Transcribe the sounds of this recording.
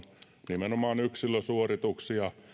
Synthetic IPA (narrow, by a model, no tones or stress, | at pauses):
nimenomɑːnyksilːøsuorit̪uksiɑ